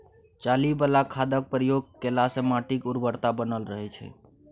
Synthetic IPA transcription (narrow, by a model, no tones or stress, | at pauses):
t͡ʃalibəlakʰad̪ək̚pɾijoɡ̚kelasemaʈikuɾbəɾt̪abənəlɾəɦɛt͡ʃʰɛ̰